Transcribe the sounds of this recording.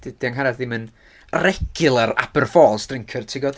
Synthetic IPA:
d̥d̥iaŋɦaɾadðɪmən | rɛɡɪlˠaɾa̰bərfɔːlˠsdrɪŋkʰərtʰɪɡɔd

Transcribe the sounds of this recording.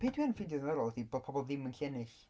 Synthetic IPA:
pʰeːdwiɛnnfɪdjɔðənɛɾɔlˠθiboːd̚pʰɔbɔlˠðɪmənkʰɛnɪɬ

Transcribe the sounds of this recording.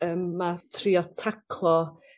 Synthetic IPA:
əːmːatʰriɔtʰakʰlˠɔ

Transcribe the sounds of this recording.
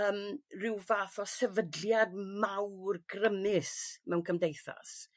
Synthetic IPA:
əːmrɪwvaːθɔsɛvədljad̚mawrɡrəmɪsmɛwnkʰəmdejθa̰s

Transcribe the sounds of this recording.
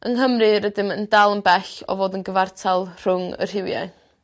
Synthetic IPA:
ʔəŋɦəmrɨɾədɪməndalˠənbɛɬɔ̰voːdənɡəvartʰalˠr̥ʊŋə̰r̥ɪwjɛ̰

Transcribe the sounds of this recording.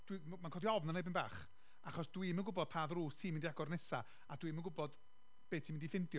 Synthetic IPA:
d̥wi | mankʰɔdiɔvnənejbɪnba̰ːχ | aχɔsd̥wimənɡʊbɔd̥̚pʰaːðruːstʰiːmɪndiaɡɔrnɛsa | adwimənɡʊbɔd̥ | b̥eːtʰimɪndifɪndjɔ

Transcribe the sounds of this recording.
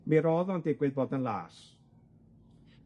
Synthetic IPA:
miɾɔːðɔndɪɡwɨðboːdənlˠa̰ːs

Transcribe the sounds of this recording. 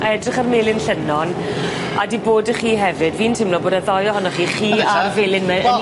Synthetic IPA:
ʔɛdrɪχarmelˠɪnɬənɔn | a̰diboːdəχiːɦɛvɨdviːntʰɪmnɔboːdaðɔjɔhɔnɔχiːχiːarvelˠɪnmɛ

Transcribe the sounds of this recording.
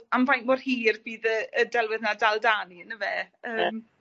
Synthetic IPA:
amvajnmɔrhiːrbiːðəədɛlˠwɪðnadalˠdaːniənəvɛəːm

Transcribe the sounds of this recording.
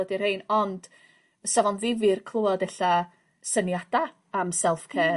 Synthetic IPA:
ədir̥hejnɔnd̥ | əsavɔnðɪvirkʰlˠuadɛɬa | sənjad̥a | amsɛlˠfkʰɛː

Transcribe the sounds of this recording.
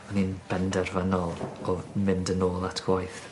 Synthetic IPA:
ɔninb̥ɛndɛrvanɔlˠɔmɪndənoːlˠatʰɡ̥wajθ

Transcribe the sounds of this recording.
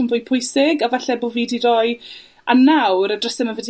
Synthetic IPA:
ənvʊːjpʰʊjsɪɡavaɬɛbolˠviːdirɔɨ | anawɾadrəsɛmanvədi

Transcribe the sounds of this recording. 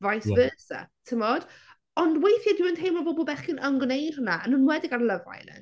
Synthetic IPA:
vajsvəsɛ̰tʰɪmɔd̥ | ɔndwejθjadɪwəntʰejmɔbɔbɔlˠbɛχɪnʔənɡnejrənaanuːnmwɛdɪɡarləva̰jnə̰

